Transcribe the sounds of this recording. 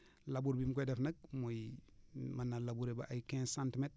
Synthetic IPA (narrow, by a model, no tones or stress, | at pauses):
labuɾbimkojdefnɐɡ̚moj | manːalabuɾeba̰ʔajkẽsantmet̚